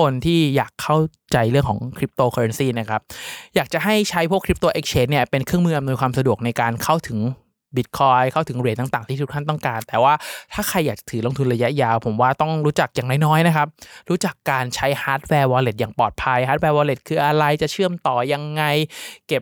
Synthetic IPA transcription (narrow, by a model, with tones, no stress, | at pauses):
kʰo˧nt̪ʰiː˥˩jaː˨˩kʰːa˥˩w | t͡ɕa˧jɾɯ˥˩əŋkʰɔː˩˦ŋkʰɾi˦˥p̚t̪oː˧kʰɔː˧ɾa˦˥nsiː˥˩na˦˥kʰa˦˥p̚jaː˨˩k̚t͡ɕa˨˩ɦa˥˩jt͡ɕʰa˦˥jpʰu˥˩əkʰɾi˦˥p̚t̪oː˧ʔe˦˥k̚t͡ɕʰeː˦˥ni˥˩ɐpe˧nkʰɾɯ˥əŋmɯː˥˩ʔmnu˧jkʰwaː˧msa˧du˨˩k̚na˧jkaː˧nkʰa˥˩wt̪ʰɯ˩˦ŋ | bi˦˥t̪̚kʰɔː˧jkʰa˥˩wt̪ʰɯ˩˦ŋɾi˨˩ənt̪a˨˩ŋt̪aː˨˩ŋʰiː˥˩t̪ʰu˦˥tʰa˥˩nt̪ɔ˥˩ŋkaː˧nt̪ɛː˨˩waː˥˩t̪ʰaː˥˩kʰa˧jːaː˨˩k̚t͡ɕḁ˨˩t̪ʰɯː˩˦lo˧ŋt̪ʰu˧nɾa˧ja˦˥ʔjaː˧wpʰo˩˦mwaː˥˩t̪ɔ˥˩ŋɾuː˦˥t͡ɕa˨˩k̚jaː˨˩ŋna˥˩nɔː˦˥jna˦˥kʰa˦˥p̚ɾuː˦˥t͡ɕa˨˩kːaː˧nt͡ɕʰa˦˥jhaː˦˥t̪̚wɛː˧wɔː˧le˨˩t̪̚jaː˨˩ŋpɔː˨˩t̪̚pʰa˧jhaː˦˥t̪̚wɛː˧wɔː˧le˨˩t̪̚kʰɯː˧ʔa˧ɾa˧jt͡ɕa˨˩t͡ɕʰɯ˥˩əmt̪ɔː˨˩ja˧ŋːa˧jke˨˩p̚